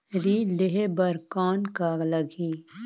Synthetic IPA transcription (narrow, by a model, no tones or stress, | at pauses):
ɾiːleɦebɐɾkaːnkaːɡləɡʱiː